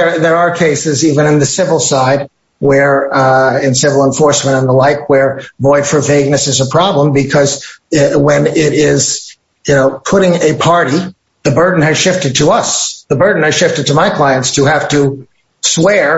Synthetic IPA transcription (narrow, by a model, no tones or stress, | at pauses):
ə˞ðə˞əkʰeɪsɨzivɨ̃ñɨ̃nðɨsɪvl̩ˠsaɪd̚ | wə˞ | ɨ̃nsɪvl̩ˠə̃ɱfɔɹsmə̃ɾ̃ə̃nðəlaɪk̚ʰwə˞vɔɪd̥fə˞veɪɡ̚nɨsɨzəpʰɹ̥ɑblə̃mbɨkʰʌzwɨ̃nɪɾɪz̥ | jɨnoʊpʰʊɾɪ̃ŋɨpʰɑɹɾi | ðɨbɜ˞dⁿn̩ɨz̥ʃɪftɨd̚tʰəʌsðəbɜ˞dⁿn̩ɨz̥ʃɪftɨd̚tʰɨmaɪkʰl̥aɪɨ̃ntstʰɨhæftɨ | swɛɹ